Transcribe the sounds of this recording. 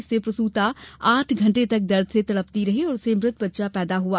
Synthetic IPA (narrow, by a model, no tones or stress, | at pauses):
sepɾɐsuːt̪aaːʈʰɡʱɐ̃ɳʈet̪ɐk̚d̪ɐɾd̪ʱset̪ɐɽəpt̪iɾɐɦeɔːɾʊsemɾɪt̪bətːʃapɛːd̪aɦʊa